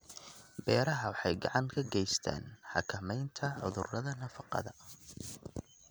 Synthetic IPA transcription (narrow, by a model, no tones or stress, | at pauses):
bɛːɾɐɦɐwɑħɑjɡɑʕɑŋkʰɐɡɛjst̪ʰa̰ːnħɑ̰kʰɐmɛjnt̪ʰɐʕʊ̰ðʊrɐðɐnɐfɑqɑ̰ðɐ